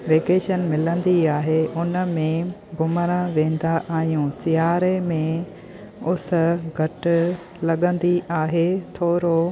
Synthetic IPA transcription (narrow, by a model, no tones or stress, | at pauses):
ʋeːkeːʃənmɪlə̃n̆d̪iaːɦeʊnə̆mẽɡʊməɾəʋẽːn̆d̪aʔaːɦijũːsɪjaːɾemẽ | ʊs̆ɡʱɐʈ̆ | lɐɠə̃nd̪iaːɦet̪ʰoːɾo